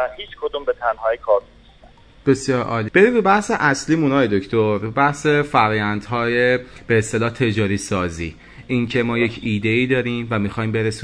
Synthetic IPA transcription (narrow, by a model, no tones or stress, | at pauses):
æhiːt͡ʃʰkʰod̪umbet̪ʰænhɒːjekʰɒːɾnisæ | b̥e̞sjɒːɾʔɒ̰ːlib̥e̞ɾiːbebæhse̞ʔæsliːmunɒːjed̪ocʰt̪ʰoɾbebæhse̞fæɾɒːjænd̪hɒːjeb̥eːst̪e̞lɒːt̪ʰe̞d͡ʒɒːɾiːsɒːziː | ʔiŋcʰe̞mɒːjecʰiːd̪e̞iːd̪ɒːɾiːmvæmixɒːjimbe̞ɾesu